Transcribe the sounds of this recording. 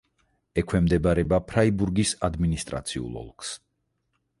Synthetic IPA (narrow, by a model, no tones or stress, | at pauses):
ɛkʰwɛmd̪ɛbaɾɛbapʰɾaibuɾɡisad̪minist̪ʼɾa̰t̪sʰiṵlˠɔ̰lˠks